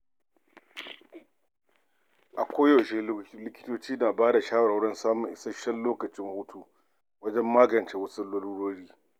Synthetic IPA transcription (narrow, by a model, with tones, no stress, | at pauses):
ʔa˨kʷoː˦jo˨ʃeː˦lɪ˦kʲɪ̥˦toː˦t͡ʃiː˦naː˨baː˦da˨ʃaː˦wɐ˨ɽa˨˦ɽɐ˦nsaː˦mʊ˨ŋʔɪ̰˨sɐ˦ʃɛ˦lloː˦kɐ˨t͡ʃɪ˦ŋhuː˦tʰu˨ | wɐ˦d͡ʒɛ˦mːaː˦ɡɐ˨nt͡ʃe˦wɐ˦su˦lɐ˦luː˦ɽoː˦ɽiː˦